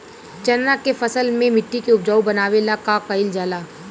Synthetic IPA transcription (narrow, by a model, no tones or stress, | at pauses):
t͡ʃɐnnakefɐsəlmẽmɪʈːikeʊb̚d͡ʒaːubɐnaːʋelakakəɪld͡ʒaːlaː